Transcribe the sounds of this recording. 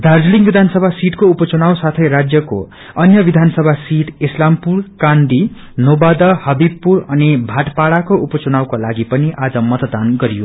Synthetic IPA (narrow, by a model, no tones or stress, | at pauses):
d̪ʱard͡zliŋbid̪ʱansʌbʱasiʈkoupʌt͡sunawsat̪ʰʌjɾad͡zjʌko̰ | ʌnjʌbid̪ʱansʌbʱasiʈ̪islampurkãnd̪i | nobad̪ʌhʌbibpurʌnibʱaʈpaɽakoupʌt͡sunawkolaɡipʌniʔad͡zʌmʌt̪d̪anɡʌɾijo